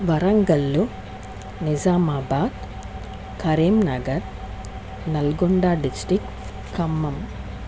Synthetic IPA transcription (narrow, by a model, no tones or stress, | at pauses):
ʋɐɾɐŋɡɐlːu | nizaːmaːbaːt̪ | kʰɐɾiːmnɐɡɐɾ | nɐlɡuɳɖaːɖisʈɾik | kːɐmːɐm